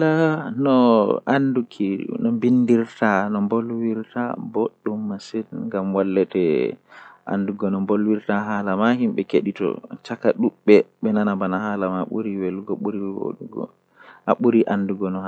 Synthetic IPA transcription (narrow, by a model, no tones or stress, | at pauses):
lanɔʔandukʰinɔmbindiɾtʰanɔmbolwiɾta̰boɗːumːasɛnŋɡamwalːɛtɛ | ʔa̰nduɡɔnɔmbolwiɾtaɦalamaɦimɓɛkeɗitɔ̰t͡ʃakaɗuɓːɛɓɛnanabanahalamaɓṵɾiwelɡɔɓuɾiwo̰ɗuɡɔ̰ | a̰ɓuɾiʔanduɡɔnɔha